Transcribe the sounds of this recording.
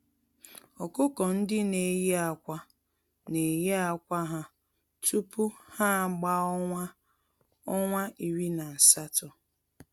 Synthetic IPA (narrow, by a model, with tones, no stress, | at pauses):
ɔ˨kʊ˦kɔ˨n̩˦dɪ˦ne˨je˦a˨kʷa˦ | ne˨je˦a˨kʷa˦ɦa˦ | tu˦pu˦ha˦˨ɡ͡ba˦a˦ | ɔ˦ŋʷa˦i˨wi˦na˨n̩˨sa˦tɔ˨